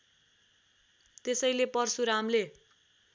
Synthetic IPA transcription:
t̪esʌjlepʌrsuɾamle

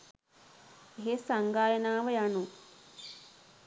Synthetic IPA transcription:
eɦesaŋɡaːjənaːʋəjanu

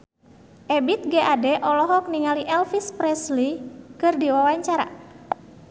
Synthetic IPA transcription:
ʔɛbit̪̚ɡeʔadɛʔɔlɔɦɔk̚niŋaliʔɛlfispɾɛslikɨrdiwawaɲt͡ʃaɾa̰

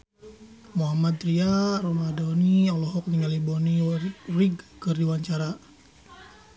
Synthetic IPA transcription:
muɦamad̪ɾiaɾɔmadɔniɔlɔɦɔk̚niŋalibɔniriɡkərdiwaɲt͡ʃaɾa

